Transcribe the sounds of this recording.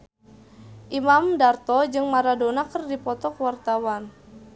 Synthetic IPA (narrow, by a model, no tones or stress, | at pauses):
ʔimamdart̪ɔd͡ʒɨŋmaɾadonakərdipɔt̪ɔkwart̪awan